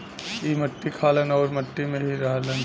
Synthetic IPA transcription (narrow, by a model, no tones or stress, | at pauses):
iːmɐʈːikʰaːlənɔːɾmɐʈːimẽɦiɾaɦlən